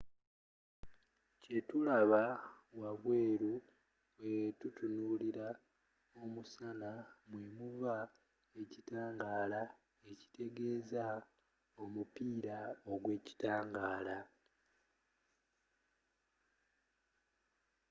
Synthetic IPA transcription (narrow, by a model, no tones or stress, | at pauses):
ce̞tulaβa | waβwe̞ːɾu | βwe̞tutunuːliɾa | omusanamwe̞muβva | e̞citaːŋɡaːla | e̞ci̥te̞ɡe̞ːza | o̞mupiːɾao̞ɡwe̞ːci̥taːŋɡaːla